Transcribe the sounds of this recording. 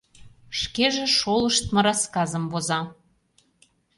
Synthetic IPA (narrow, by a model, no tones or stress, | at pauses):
ʃkeʒĕʃoləʃt̪mɤ̆ɾɑskɑzə̆mβozɑ